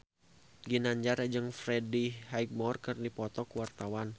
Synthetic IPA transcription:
ɡinaɲd͡ʒaɾd͡ʒɨŋfɾɛdihajɡ̚mɔrkɨrdipɔt̪ɔkuwart̪awan

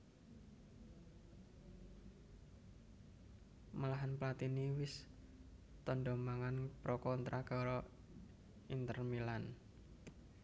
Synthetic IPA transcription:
malaɦanplat̪iniwɪs | t̪ɔnɖɔmaŋanpɾɔkɔnt̪ɾʔaɡ̥ɔɾɔ | int̪ərmilan

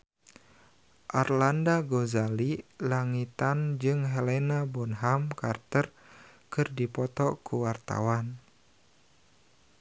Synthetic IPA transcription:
ʔarlandaɡozalilaŋit̪and͡ʒɨŋɦɛlenabɔnɦamkart̪ər | kɨrdipɔt̪ɔkuwart̪a̰wan

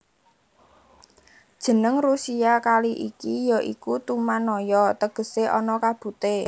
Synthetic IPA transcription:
d̥ʒ̥ə̤nəŋrusiakaliʔikijɔʔikut̪umanɔjɔt̪əɡ̥ə̤seʔɔnɔkab̥ṳt̪e

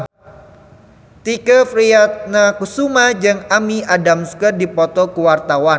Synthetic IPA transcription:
t̪ikəfɾiat̪̚nakusumad͡ʒɨŋamiʔadamskərdipɔt̪ɔkəwart̪awan

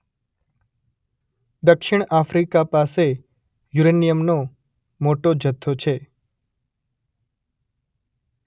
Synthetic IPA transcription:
d̪əkʃɪɳ̃afɾikapase | juɾenijəmno | moʈod͡ʒət̪ʰːot͡ʃʰe

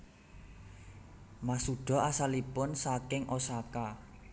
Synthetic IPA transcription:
masuɖ̥ɔ̤asalipʊnsakɪŋʔosaka

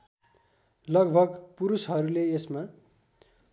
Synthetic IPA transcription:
lʌɡbʱʌɡpuɾusɦʌɾuleesma

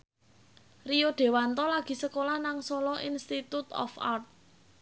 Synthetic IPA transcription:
rijoɖ̪̥e̤want̪ɔlaɡ̥i̤səkolahnaŋsɔlɔʔinst̪it̪ut̪ɔ̰fart̪̚

